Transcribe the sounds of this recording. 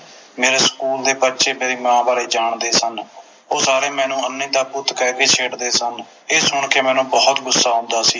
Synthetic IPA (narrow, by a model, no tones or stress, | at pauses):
meːɾeːskuːld̪eːbət̪ːʃeːmeːɾiːmãːbaːɾeːd͡ʒaːɳd̪eːsən | oːsaːɾeːmɛ̃ːnũːənːĩːd̪aːbʊt̪kɛːkeːt͡ʃʰeːɽd̪eːsən | eːsʊɳkeːmɛ̃ːnũːbɔːt̪ɡʊsːaːɦʊ̃nd̪aːsiː